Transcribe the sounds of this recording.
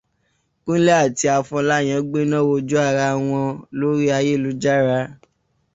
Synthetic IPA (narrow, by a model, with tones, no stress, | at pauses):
kũ˦lɛ˦a˦˨ti˧˦a˧fɔ̃˧˦la˦˨j̃ã˨˦ɡ͡be˦nã˦˨wo˧d͡ʒo˦a˦˨ɾa˧w̃ɔ̃˧lo˨˦ɾi˦a˧je˦˨lu˨˦d͡ʒa˦˨ɾa˧˦